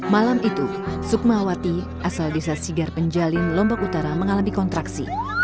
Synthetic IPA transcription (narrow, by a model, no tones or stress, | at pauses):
malamit̪u | suk̚maawat̪i | ʔasaldisasiɡarpəɲd͡ʒalɪnlɔmbɔkut̪aɾaməŋalamikɔnt̪ɾaksḭ